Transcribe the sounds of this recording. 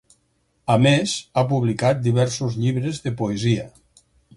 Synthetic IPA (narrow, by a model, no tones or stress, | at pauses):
əmezap̬uβlikat̪̚d̪iβɛɾsuzʎiβɾəzðəpoeziə